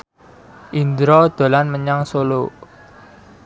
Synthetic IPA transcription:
ʔind̪ɾɔd̪̥o̤lanməɲaŋsolo

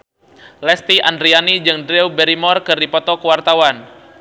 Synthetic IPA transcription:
lɛst̪iʔandɾianid͡ʒɨŋdɾɛwbɛɾimɔrkɨrdipɔt̪ɔkəwart̪awan

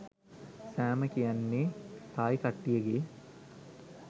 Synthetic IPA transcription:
sæːməkijanːeːt̪aːjikɐʈːijəɡeː

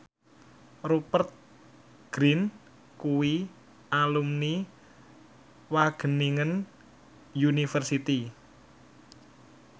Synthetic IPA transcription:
rupərt̪̚ | ɡ̥ɾin | kuwi | alumni | waɡ̥ə̤niŋən | junifərsit̪i

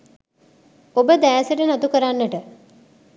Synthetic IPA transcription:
obəd̪æːsəʈənat̪ukəɾanːəʈə

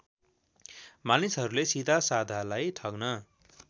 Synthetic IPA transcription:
manisɦʌɾulesid̪ʱasad̪ʱalajt̪ʰʌɡnʌ

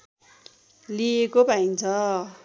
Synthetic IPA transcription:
liekobaint͡sʰʌ

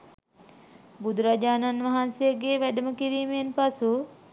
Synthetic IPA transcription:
bud̪uɾad͡ʒaːnanʋaɦansejəɡeːʋæɖəməkiɾiːmejnpasu

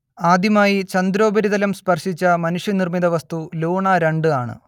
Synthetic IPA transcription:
aːd̪jɐmaːjit͡ɕɐnd̪ɾo̞ːbɐɾiðɐlɐmspɐrʂit͡ɕːɐmɐnuʂjɐnirmid̪ɐʋɐst̪uluːɳɐɾeɳɖɨaːɳɨ̰

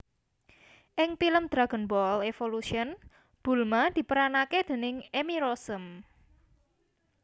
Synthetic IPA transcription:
ʔɪŋfiləmd̪̥ɾaɡ̥ə̤nbɔlefoluʃiən | b̥ṳlmad̪̥i̤pəɾanaked̪̥e̤nɪŋemiɾosəm

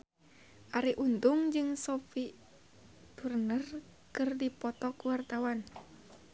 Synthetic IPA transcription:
ʔaɾiʔunt̪ʊŋd͡ʒɨŋsofi | b̥ərnər | kɨrdipɔt̪ɔkuwart̪awan

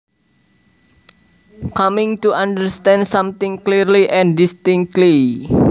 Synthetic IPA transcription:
kamɪ̃ŋt̪uʔãndəɾst̪ɛ̃ndsamt̪ɪ̃ŋklirliʔɛ̃ndist̪ɪŋtli

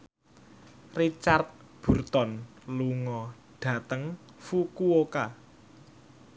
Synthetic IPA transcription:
rit͡ʃart̪̚ | b̥ṳrt̪ɔn | luŋɔ | ɖ̥ä̤t̪əŋfukuoka

